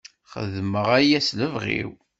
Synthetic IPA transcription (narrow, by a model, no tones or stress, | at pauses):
χə̰ðməʁæjæsləvʁḭw